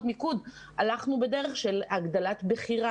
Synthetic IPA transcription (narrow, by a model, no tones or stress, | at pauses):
mikud | alaχnube̞de̞ʁeχʃelaɡd̪alat̪beχiʁa